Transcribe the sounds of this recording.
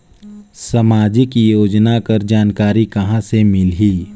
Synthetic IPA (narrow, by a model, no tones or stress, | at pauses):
səmaːd͡ʒɪkjoːd͡ʒnakəɾd͡ʒaːnkaːɾikɐɦãsemɪlɦiː